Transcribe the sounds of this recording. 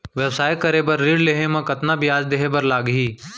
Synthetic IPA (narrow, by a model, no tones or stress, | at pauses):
ʋɛwsaːjkɐɾebɐɾːiːɽleːɦẽmɐ̃kɐt̪nabʱiaːd͡ʒd̪eːɦebɐɾlaːɡɦiː